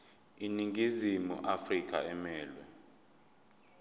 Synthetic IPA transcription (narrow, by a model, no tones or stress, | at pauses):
iniŋɡʱizimṵʔafrikʼʰa̰ɛmɛːlwɛ